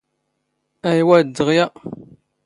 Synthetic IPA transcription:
æjwæd̪ːəʁjæ

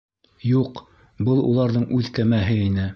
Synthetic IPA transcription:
juq | bɤlˠṵlˠɑɾðɤɴʔʉðkæmæɦɘinɘ

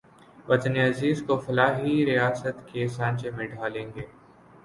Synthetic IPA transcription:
ʋɐt̪neɐziːzkofɐlaːɦiɾijaːsət̪kesãːɲt͡ʃemẽɖʱaːlẽːŋɡeː

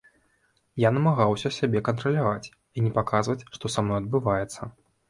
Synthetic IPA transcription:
janɐmaɣawsʲɐsʲabʲɛkɐnt̪ɾɐlʲavat͡sʲ | inʲɛpakazvɐt͡sʲʂt̪ɔsamnɔjɐd̪̚bɨvajɛt̪sːɐ

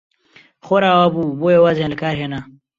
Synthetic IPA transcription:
xoɾaːwabuboewazenlakaːɾɦeːna

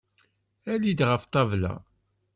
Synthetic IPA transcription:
ælid̪ʁəft̪ˤɑvlæ̰

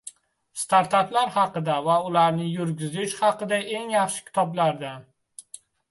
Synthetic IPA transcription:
st̪aɾt̪ʰat̪laɾhɑqɨd̪avaʊlaɾnɪjʊɾɡʲɪzɪʃhɑqɨd̪aʔe̞ŋjɑχʃɪ̥kʲʰɪ̥t̪ʰɒblaɾd̪a

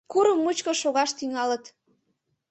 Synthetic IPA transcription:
kuɾəmːut͡ɕkəʃoɣɑʃt̪yŋɑlət̪

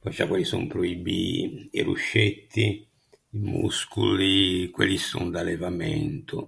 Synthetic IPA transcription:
pɔt͡ʃːakwelːisumpɾoibiirṵʃːet̪ʰːi | imuskulikwelːisund̪alɛvamɛnt̪ʊ

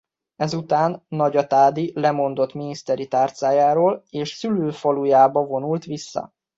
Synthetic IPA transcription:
ɛzut̪aːnːɒɟɒt̪aːd̪ilɛmo̞nd̪o̞t̪minist̪ɛɾit̪aːrt̪saːjaːɾoːleːʃsyløːfolujaːbɒvo̞nult̪ʋisːɒ̰

